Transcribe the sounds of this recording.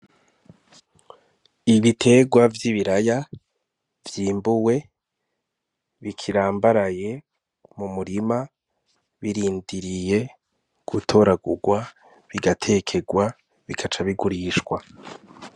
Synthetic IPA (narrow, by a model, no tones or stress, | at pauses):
iβitʰe̞ɡwavjiβiɾaja | vjiːmbuwe̞ | βikʰiɾaːmbaɾaje̞ | mumuɾima | βiɾiːndiɾije̞ | ɡ̥utʰo̞ɾaɡuɡwa | βiɡatʰe̞kʰe̞ɡwa | βikʰat͡ʃaβiɡuɾiːʃkwa